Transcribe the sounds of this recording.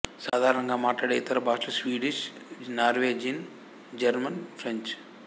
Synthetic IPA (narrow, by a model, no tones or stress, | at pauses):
saːd̪ʱaːɾɐɳɐŋɡaːmaːʈlaːɽeit̪ɐɾɐbʱaːʂʈɐsʋiːɖiʃnaːɾʋeːd͡ʒin | d͡ʒɐɾmɐnpʰɾeɲt͡ʃ